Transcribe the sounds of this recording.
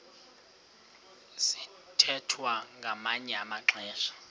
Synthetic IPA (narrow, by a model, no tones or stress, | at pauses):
si̥ | tʰɛtʰwaŋɡʱamaɲɛamaǁɛːʃḁ